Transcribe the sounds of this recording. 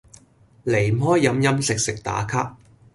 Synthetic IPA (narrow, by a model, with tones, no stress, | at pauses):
le˨˩j̩˨ɦɔː˥jːɐ˨˧mjɐ˥msɪ˨k̚sɪ˨k̚t̪a̰ː˨˥kʰaː˥k̚